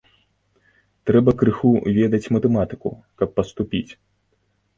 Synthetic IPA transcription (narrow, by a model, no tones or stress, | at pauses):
t̪ɾɛbɐkɾɨxuvʲɛd̪ɐt͡sʲmɐt̪ɛmat̪ɨkṵ | kɐpːɐst̪upʲit͡sʲ